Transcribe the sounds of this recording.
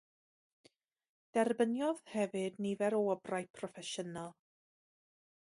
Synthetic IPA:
d̥ɛrbənjɔðhɛvɨdnivɛɾoəbrajpʰrɔfɛʃənalˠ

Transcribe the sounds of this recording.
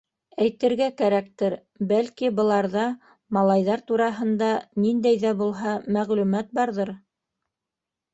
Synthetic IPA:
æjt̪ɘ̆ɾɡækæɾæk̚t̪ɘɾ | bælkibɤ̆lˠɑɾðɑ | mɑlˠɑjðɑɾt̪uɾɑɦɤ̆nd̪ɑnind̪æjðæbulˠɦɑmæʁlʉmæt̪̚bɑɾðɤɾ

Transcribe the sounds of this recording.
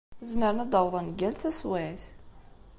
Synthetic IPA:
zməɾnæd̪ɑwðˤɑnɡælθæswæθ

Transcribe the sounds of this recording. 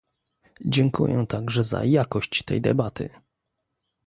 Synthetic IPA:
d͡ʑɛŋkṵjɛt̪aɡʐɛza̰jakɔɕt͡ɕt̪ɛjd̪ɛ̰bat̪ɘ̰

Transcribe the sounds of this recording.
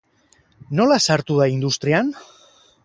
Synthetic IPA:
no̞lasaɾt̪uðaind̪ust̪ɾian

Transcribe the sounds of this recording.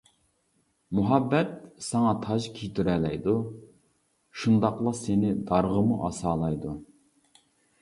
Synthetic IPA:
muɦɑbːɛt̪̚sɑŋɑt̪ʰɑʒkʲʰijt̪ʰyɾɛlɛjd̪u | ʃund̪ɑqlˠɑsenɪd̪ɑɾʁəmuʔɑsɑːlˠɑjd̪u

